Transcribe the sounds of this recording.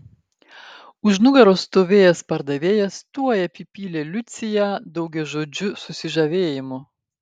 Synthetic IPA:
ʊʒnʊɡɐɾoːst̪oːʋʲeːjɛspɐɾd̪ɐʋʲeːjɛst̪uɔjɛpʲiːpʲiːlʲeːlʲʊt̪sʲɪjæːd̪ɒʊɡʲɛʒoːd͡ʒʲʊsʊsʲɪʒɐʋʲeːjɪmʊ

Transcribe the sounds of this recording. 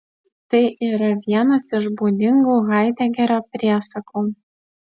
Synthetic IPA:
t̪ɐɪʔiːɾɐʋʲiɛnɐsɪʒbuːd̪ʲɪŋɡuːɣɑɪd̪ʲɛɡʲɛɾʲoːpʲɾʲiɛsɐkoː

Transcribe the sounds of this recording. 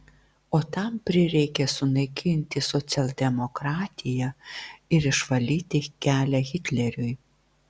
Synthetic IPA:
oːt̪ɑmpʲɾʲɪɾʲɛɪkʲɛsʊnɐɪkʲʰɪnʲt̪ʲɪsɔt̪sʲɛlʲˠd̪ʲɛmɔkɾɑːt̪ʲɪjɛɪɾɪʃʋɐlʲiːt̪ʲɪkʲæːlʲɛɣʲɪt̪ʲlʲɛɾʲʊj

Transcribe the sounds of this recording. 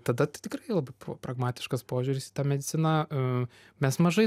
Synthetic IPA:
t̪ɐd̪ɐt̪t̪ʲɪkrɐɪlˠɐbɐɪpːpɾɐɡmɑːt̪ʲɪ̥ʃkɐspoːʒʲʊɾʲɪsiːt̪ɑːmʲɛd̪ʲɪt͡s̪ʲɪnɐ | mʲɛsmɐʒɐɪ

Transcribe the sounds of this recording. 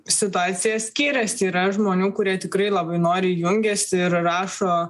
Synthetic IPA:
sʲɪt̪ʊɑːt̪sʲɪjɛssʲkʲiːɾʲɛsiːɾɐʒmoːnʲuːkʊɾʲiɛt̪ʲɪkɾɐɪlˠɐbɐɪnoːɾʲɪjʊŋʲɡʲɛsɪɾrɑːʃoː

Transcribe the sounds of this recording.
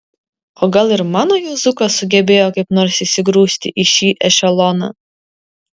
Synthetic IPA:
oːɡɐlˠɪɾmɑːnoːjuːzʊkɐsʊɡʲɛbʲeːjoːkɐɪpnoːɾsisʲɪɡɾuːsʲt̪ʲɪ̰ʔiʃʲiːʔɛʃʲɛlˠɔnɑ̰ː

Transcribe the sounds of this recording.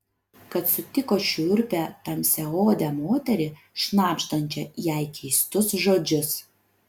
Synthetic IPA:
kɐt̪sʊt̪ʲɪkoːʃʲʊʊɾʲpʲæt̪ɐmʲsʲɛoːd̪ʲɛmoːt̪ʲɛɾʲɪ | ʃnɑːpʲʃt̪ɐnʲt͡ʃʲɛjæˑɪkʲʰɛɪst̪ʊsʒoːd͡ʒʲʊs

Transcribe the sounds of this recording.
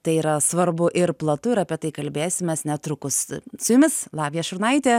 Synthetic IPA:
t̪ɐɪiːɾɐsʋɐɾbʊʔɪɾplˠɐt̪ʊɪɾɐːpʲiɛt̪ɐɪkɐlʲbʲeːsʲɪmʲɛsnʲɛt̪ɾʊkʊssʊjʊmʲɪslˠɑːʋʲjɛʃʊɾnɐɪt̪ʲeː

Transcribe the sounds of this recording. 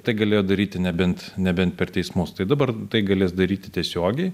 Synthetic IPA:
t̪ɐɪɡɐlʲeːjoːd̪ɐɾʲiːt̪ʲɪnʲɛbʲɛnt̪nʲɛbʲɛnt̪̚pʲɛrt̪ʲɛɪsmʊst̪ɐɪd̪ɐbɐrt̪ɐɪɡɐlʲeːsd̪ɐɾʲiːt̪ʲɪt̪ʲiɛsʲoːɡʲɛɪ

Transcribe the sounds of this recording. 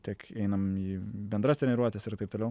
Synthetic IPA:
t̪ʲiɛkɛɪnɐmiːbʲɛnd̪ɾɐst̪ʲɾʲɛnʲɛɾuɔt̪ʲɛsɪɾt̪ɐɪp̚t̪oːlʲɛʊ

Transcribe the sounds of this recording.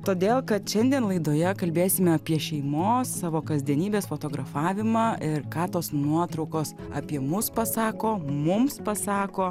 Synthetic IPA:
t̪oːd̪ʲeːlˠkɐt̪ʃʲɛnʲd̪ʲiɛnlˠɐɪd̪oːjɛkɐlʲbʲeːsʲɪmʲɛɐpʲiɛʃʲɛɪmoːsːɑːʋoːkɐzʲd̪ʲiɛnʲiːbʲeːsfoːt̪oːɡɾɐfɑːʋʲɪmɑːɪɾkɑːt̪oːsnuɔt̪ɾɔʊkoːs | ɐ̰ːpʲiɛmʊspɐsɑːkoːmʊmspɐsɑːkoː

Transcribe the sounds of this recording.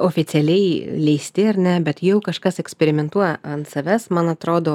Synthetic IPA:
oːfʲɪtt͡s̪ʲɪɛlʲɛɪlʲɛɪsʲt̪ʲɪɐɾʲnʲɛbʲɛt̪jɛʊkɐʃkɐsɛksʲpʲɛɾʲɪmʲɛnt̪uɔjɛɐnt̪sɐʋʲɛsmɐnɐt̪ɾoːd̪oː

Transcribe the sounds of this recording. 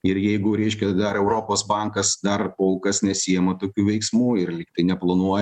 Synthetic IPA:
ɪɾjɛɪɡʊɾʲɛɪʃʲkʲɛd̪ɐɾɛʊɾoːpoːsbɐŋkɐsd̪ɐrpoːlˠkɐsnʲɛsʲijɛmɐt̪oːkʲuːʋʲɛɪksmuːɪrlʲɪkt̪ɐɪnʲɛplˠɐnuɔjɛ

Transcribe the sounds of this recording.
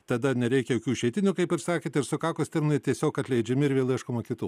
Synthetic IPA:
t̪ɐd̪ɐnʲɛɾʲɛɪkʲɛjoːkʲuːʃʲɛɪt̪ʲɪnʲukɐɪpɪɾsɑːkʲet̪ɪɾsʊkɑːkoːst̪ʲɛmʲɪnˠɐɪt̪ʲiɛsʲoːkɐt̪ʲlʲɛɪd͡ʒʲɛmʲɪɪɾʋʲeːlˠʲiɛʃkomoːkʲɪt̪uː

